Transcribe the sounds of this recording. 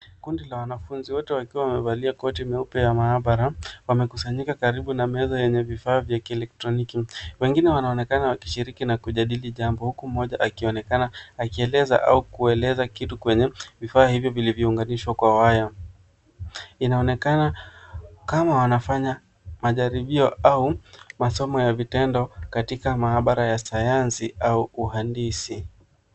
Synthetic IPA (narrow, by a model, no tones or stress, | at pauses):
kundilawanafunziwɔtɛwakiwawamɛvaliakɔtimɛupɛjamaːɓaɾawamɛkusaɲikakaɾiɓunamɛzɔjɛɲɛvifaːvjakiɛlɛk̚tɾɔnikiwɛŋɡinɛwanaɔnɛkanawaki̥ʃiɾikinakuʄaɗiliʄambɔhukum̩ɔʄaʔakiɔnɛkanaakiɛlɛza̰ʔa̰ukuɛlɛzakitukwɛɲɛvifaːhivjɔvilivjɔuŋɡaniʃwakwawaja | inaɔnɛkana | kamawanafaɲa | maʄaɾiɓiɔaumasɔmɔjavitɛndɔkatikamaaɓaɾajasajansiauuhandisi